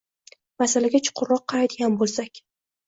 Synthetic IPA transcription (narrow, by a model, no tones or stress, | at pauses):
masalaɡʲat͡ʃʰʊ̥qʰʊɾːɒqʰːɑɾajd̪ɪɡʲanbolˠsakʲ